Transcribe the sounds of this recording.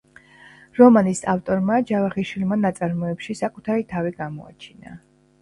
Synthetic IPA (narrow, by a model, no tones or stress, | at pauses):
ɾɔmanisaft̪ʼɔɾmad͡ʒavaχiʃwilˠmanat̪sʼaɾmɔɛpʃisakʼut̪ʰaɾit̪ʰaviɡamɔa̰t͡ʃʰina̰